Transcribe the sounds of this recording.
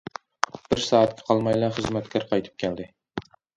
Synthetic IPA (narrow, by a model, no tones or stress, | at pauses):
b̥ɪɾsɑːɑt̪kʲʰɪ̥qʰɑlˠmɑjlˠɑχəzmæt̪kʲʰɑɾqɑjt̪ʰɨ̥p̚kʲʰæld̪ɪ